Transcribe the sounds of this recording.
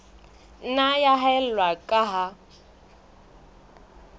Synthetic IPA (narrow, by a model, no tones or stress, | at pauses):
n̩najaɦaɛl̩lwakʼaɦa